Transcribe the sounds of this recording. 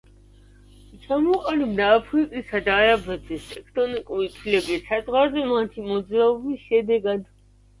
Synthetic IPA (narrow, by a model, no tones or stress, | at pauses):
t͡ʃʰamɔqʼanibd̪aːpʰɾikʼisad̪aːɾabɛzɛst̪ʰʼɛkʰt̪ʼɔnikʼuɾit̪ʰwilɛbisazʁwaɾzɛmat̪ʰimɔd̪zɾaɔbisʃɛd̪ɛɡad̪